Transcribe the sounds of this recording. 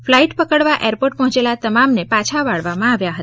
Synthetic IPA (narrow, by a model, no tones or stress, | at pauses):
flaiʈpəkəɽʋaʔeɾpoʈ̚pəɦɔ̃t͡ʃelat̪əmamnepat͡ʃʰaʋaɭʋamãaʋjaɦət̪a